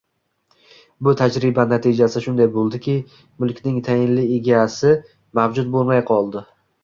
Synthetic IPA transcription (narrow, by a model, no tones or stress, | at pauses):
bʊt̪ʰad͡ʒɾɪbanat̪ʰɪd͡ʒasɪʃʊnd̪ajbolˠd̪ɪkʲɪ | mʊlˠkʲnɪŋt̪ʰajɪnlɪeɡʲaːsɪ | mavd͡ʒʊt̪̚bolˠmajqʰɒlˠd̪ɪ